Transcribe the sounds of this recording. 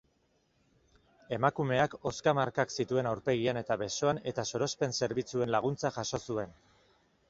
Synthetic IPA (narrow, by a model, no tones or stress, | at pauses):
e̞makume̞ako̞skamaɾkaksit̪ue̞nawɾpe̞ɣ̞iene̞t̪aβe̞so̞ane̞t̪aso̞ɾo̞spe̞nse̞ɾβit͡sue̞nlaɣ̞unt͡saʝaʃo̞sue̞n